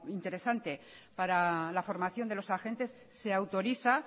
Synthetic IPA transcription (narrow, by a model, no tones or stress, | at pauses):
int̪e̞ɾe̞sant̪e̞ | paɾalafo̞ɾmaθjo̞nd̪elo̞saxe̞nt̪e̞sːe̞awt̪o̞ɾiθa